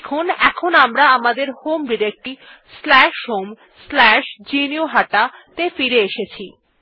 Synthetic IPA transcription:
kʰonɛkʰonamɾaamad̪eɾhomɖiɾek̚ʈi | slɛʃɦom | slɛʃd͡ʑinioɦaʈat̪efiɾeeʃet͡ɕʰi

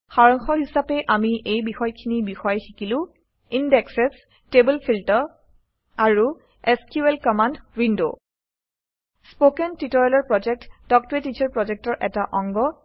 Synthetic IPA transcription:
xaɹɔŋxɔɦisapɛʔamiʔejbixɔjkʰinibixɔjxikilʊ̃ | indɛksɛs | tebɔlpʰiltɔɹ | aɹu | ɛskjuelkɔmandɹindo | spokɛntitɔɹalɔɹpɹɔd͡ʒɛk̚tdɔk̚tɹetit͡ʃʰɔɹpɹɔd͡ʒɛk̚tɔɹʔɛtaʔɔŋɡɔ

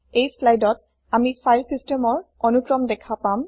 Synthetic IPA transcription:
ejslajdɔt̚ | amisajlsistemɔɹɔnukɹɔmdɛkʰapam

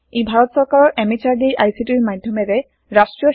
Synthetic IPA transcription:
ejbʱaɾɔt̪sɔɹkaɹɔɹʔɛmit͡ɕaɹdejʔajsiʈiɹmajd̪ʱjɔmeɾe | ɹasʈɹijɔ

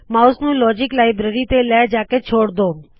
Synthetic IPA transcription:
mãːʊsnũːlɔːd͡ʒɪklaːɪbɾeːɾiːt̪eːlaːd͡ʒaːkeːt͡ʃʰoːɽd̪oː

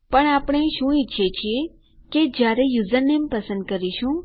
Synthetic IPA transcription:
pəɳapɳ̃eʃũiʃʰet͡ʃʰie | ked͡ʒjaɾejuzəɾnempəsə̃nd̪̚kəɾiʃũ

